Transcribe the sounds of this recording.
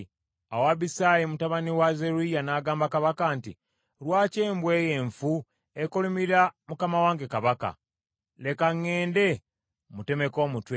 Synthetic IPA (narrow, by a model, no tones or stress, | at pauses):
awaβisaːjemutaβaniwazeɾuijanaːɡaːmbakaβakaːnti | lwaːce̞ːmbwe̞ːjeːɱfu | ekolumiɾamukamawaːŋɡe̞kaβaka̰ | le̞kaŋːe̞ːnde̞ | mute̞me̞ko̞ːmutwe